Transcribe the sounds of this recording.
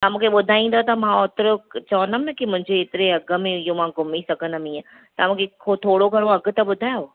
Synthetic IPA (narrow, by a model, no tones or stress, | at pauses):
t̪ɐmũːkʰeɓʊd̪ʱaːĩːn̆d̪ot̪ɐmãot̪ɾət͡ɕɐʋənd̪əmnɐkimʊ̃ɪ̃ɲd͡ʑeːt̪ɪɾeɐɡəmẽijomãɡʊmisɐɡʱə̃nəmĩẽ | t̪ɐmũːkʰeot̪ʰoːɽoɡʱɐɾ̃õɐɡ̆t̪ɐɓʊd̪ʱaːjo